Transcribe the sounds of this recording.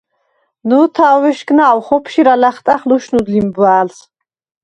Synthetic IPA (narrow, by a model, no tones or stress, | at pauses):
nuːt̪ʰaːwɛʃɡnaːwχɔpʰʃiɾalaχt̪ʼaχluʃnud̪limbwaːls